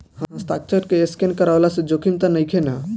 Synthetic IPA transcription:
hãɦãsʈak̚t͡ʃʰəʈkeeskenkəɾaolasẽd͡ʒokʰimt̪ənəjkʰena

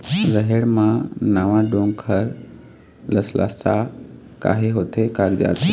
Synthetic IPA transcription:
zəɦeɽmãnaːʋãɖõːŋkʰəɾ | ləslʔa̰ːsa | ka̰ːɦeɦot̪ʰekaɾd͡ʒa̰ːt̪ʰe

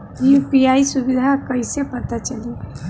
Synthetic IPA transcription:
jipijaisubid̪ʱakəɪsepət̪at͡ʃəli

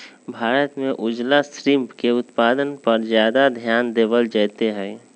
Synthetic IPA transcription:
bʱaːɾət̪mẽʔʊd͡ʒlasɾɪmpkeʊt̪paːd̪ənpəɾzjaːd̪ad̪ʱjaːnd̪eːbəld͡ʒəːt̪eɦɛ̃ː

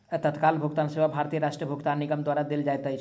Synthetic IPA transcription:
t̪ət̪kaːlbʱʊɡt̪aːnseʋabʱaːɾt̪ijəɾaʃʈɾəbʱʊɡt̪aːnːɪɡəmd̪waːɾad̪eld͡ʒaet̪əi

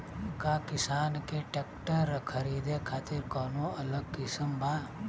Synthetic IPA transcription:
kakɪsaːnkeʈekʈəɾəkʰəɾiːd̪ekʰaːt̪iɾkɔːnoɐləɡ̚kɪsəmbʱaː

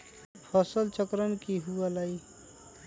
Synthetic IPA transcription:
pʰəsəlt͡ʃəkɾənkiɦuəlai

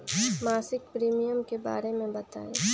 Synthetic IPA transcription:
maːsɪk̚pɾiːmijəmkeba̰ːɾemẽbɐt̪a̰ːe

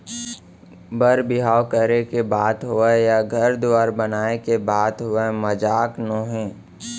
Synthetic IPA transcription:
bəɾbɪɦaːwkəɾekebaːt̪ɦʊejaɡʱɐɾd̪ʊaːɾbənaːekebaːt̪ɦʊeməd͡ʒaːknoːɦẽː

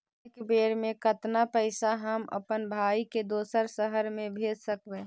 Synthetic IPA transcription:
kbeːɾmẽkət̪napəɪsaɦəmə̰pənbʱaːiked̪oːsəɾsəɦəɾmẽbʱeːd͡ʒsəkbe

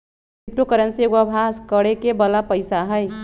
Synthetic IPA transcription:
ip̚ʈokəɾənseɡabʱaskəɽekebəlapəɪsaɦəj

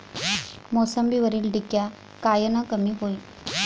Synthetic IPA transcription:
mɔsəmbiʋəɾiːlɖikːja | kajənakəmiːɦoi

